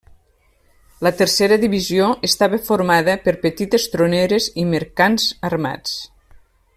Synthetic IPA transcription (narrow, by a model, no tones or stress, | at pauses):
lət̪əɾseɾəðiβizioʔəst̪aβəfoɾmaðəpəɾpət̪it̪est̪ɾoneɾeziməɾkanzərma̰t͡s